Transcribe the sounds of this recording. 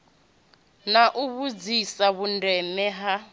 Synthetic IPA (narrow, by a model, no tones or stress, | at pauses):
naʔuβud͡zisaβundɛnɛɦa